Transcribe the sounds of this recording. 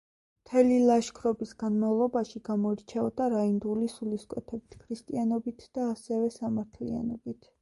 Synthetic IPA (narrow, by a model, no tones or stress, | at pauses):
mt̪ʰɛlilˠaʃkʰɾɔbisɡ̥anmavlˠɔbaʃiɡamɔiɾt͡ʃʰɛɔd̪aɾaind̪ulisuliskʼwɛt̪ʰɛbit̪ʰkʰɾist̪ʼianɔbit̪ʰd̪̥aːsɛvɛsamaɾt̪ʰlḭa̰nɔbit̪ʰ